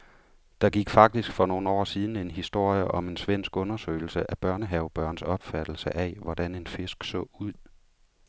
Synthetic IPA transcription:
d̥ɑ̈ɡ̥iɡ̥fɑ̈ɡ̥̚d̥isɡ̥fɒ̽no̝ːn̩ɒ̰ːsiːð̞ˠn̩e̝nɦisd̥o̝ɐ̰jəʔɒ̽me̝nsʋen̰sɡ̥ɔ̽nɐsø̰ɪl̩səʔæb̥ɶɐnəɦɛʊb̥ɶɐnsɒ̽b̥fæd̥l̩səʔæʋɒd̥æne̝nfe̝sɡ̥sɔ̰̽ːuð̰ˠ

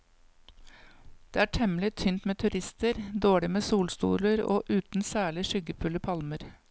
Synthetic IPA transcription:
d̪̥eːæːʈʰɛmlɪt̪ʰʏnt̪meːt̪ʰʉɾɪst̪əɾd̪oːɭɪmeːsuːlst̪ṵːləɾo̰ːʔʉːt̪n̩sæːɭɪʃʏɡəpʰʉləpʰɑlməɾ

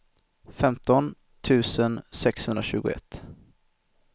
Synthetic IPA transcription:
fɛmt̪ɔn | t̪ʰʉ̟ːsənsɛkshɵnd̪ɾaɕʉ̟ːɡʊ̰ɛ̰t̪ː

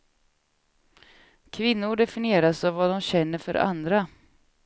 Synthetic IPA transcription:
kʰvɪnːʊɖɛfɪnɪeːɾasavvad̪ɔmɕɛnːəɾfœ̰ɾa̰nd̪ɾa

